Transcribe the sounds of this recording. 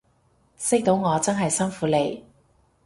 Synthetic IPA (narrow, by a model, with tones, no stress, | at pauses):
sɪ˥k̚t̪o˨˥wŋɔː˨˧t͡sɐ˥nɦɐ˨jsɐ˥nfuː˨˥le˨˧j